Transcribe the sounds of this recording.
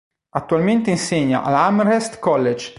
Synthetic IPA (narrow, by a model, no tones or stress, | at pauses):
at̪ːualment̪einseɲːa̰ʔa̰lamɾest̪kɔlːed͡ʒ